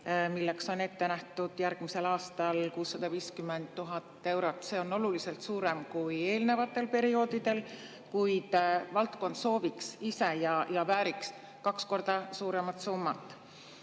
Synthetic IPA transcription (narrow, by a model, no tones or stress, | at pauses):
milːe̞kso̞ne̞t̪ːe̞næht̪ud̪̥jærɡ̥mise̞lɑːst̪ɑlkuːsːɑd̪̥ɑviːskymːend̪̥t̪ːuɦɑt̪ːˑe̞wɾo̞t̪ːˑse̞o̞no̞lulise̞lt̪suːɾe̞mkuje̞ːlne̞vɑt̪ːˑe̞lpe̞ɾio̞ːd̪id̪̥e̞l | kujd̪̥vɑlt̪ko̞nd̪̥so̞ːviksise̞jɑjɑvæːɾiks | kɑksko̞rd̪̥ɑsuːɾe̞mɑt̪sumːɑt̪ːˑ